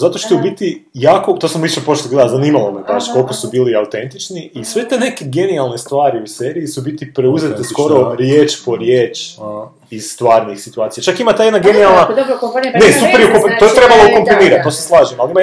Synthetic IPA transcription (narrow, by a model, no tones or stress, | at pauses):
zat̪oʃt̪eubit̪ijaːkot̪o̞ːsamʋiʃepo̞t͡ʃt̪ɡled̪azanimalomepaʃko̞lkosubiːliaut̪e̞nt̪it͡ʃniisʋet̪ene̞keɡe̞nialˠne̞st̪ʋaːɾiuseːɾiːsubit̪ipɾeuzet̪esko̞ɾo̞ɾjeːt͡ʃpo̞ɾjeːt͡ʃ | iz̥st̪ʋaːɾnixsit̪uaːt̪ijat͡ʃakimat̪ajd̪naɡe̞nialˠnanesupeɾjukompint̪ojet̪ɾe̞balˠoukompɾiniːɾat̪t̪ːoseslˠaːʒimalima